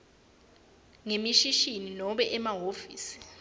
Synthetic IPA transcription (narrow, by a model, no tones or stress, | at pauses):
ŋemiʃiʃininɔɓɛʔɛmaɦofiːsi̥